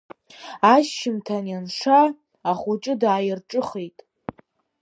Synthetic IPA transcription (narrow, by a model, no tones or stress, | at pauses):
aʃːɪmtʰanjanʂaː | χʊt͡ʃʼɨdaːjɪrʈ͡ʂʼɨχejtʼ